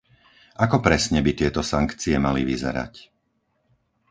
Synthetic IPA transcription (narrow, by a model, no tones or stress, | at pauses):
ʔakɔpɾɛsɲɛbit̪ɪɛt̪ɔsaŋkt͡siɛmaliʋizɛ̰ɾa̰c